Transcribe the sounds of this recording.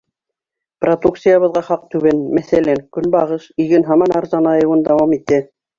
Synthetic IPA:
prod̪uk̪̚sijaβɤ̆ðʁɑχɑq̚t̪ʉβænmæθælæŋkɵnbɑʁɤʃiɡɘnɦɑmɑnɑɾzɑnɑjɤ̆wɤnd̪ɑwɑmit̪ːɘ

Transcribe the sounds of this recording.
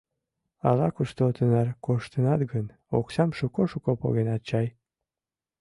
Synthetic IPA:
ɑ̰lɑkuʃt̪ot̪ənɑrkoʃt̪ənɑt̪ɡən | o̰ksɑmʃukoʃukopo̰ɣenɑt̪̚t͡ɕɑj

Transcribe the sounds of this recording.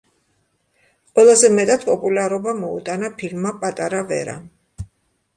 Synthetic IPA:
qʼwɛlˠazɛmɛt̪ʼad̪pʼɔpʼulaɾɔbamɔṵt̪ʼanapʰilmːapʼat̪ʼaɾavɛ̰ɾa̰

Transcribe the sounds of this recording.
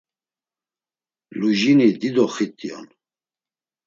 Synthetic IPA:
luʒinid̪id̪ɔχit̪ʼijɔ̰n

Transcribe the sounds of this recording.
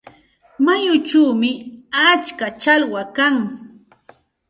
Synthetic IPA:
majʊt͡ʃuːmɪat͡ʃkat͡ʃalwakaŋ

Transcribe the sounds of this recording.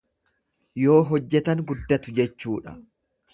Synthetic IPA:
jo̞ːɦɔd͡ʒːɛt̪ɐŋɡʊd̪ːɐt̪ʊd͡ʒɛt͡ʃːuːᶑɐ

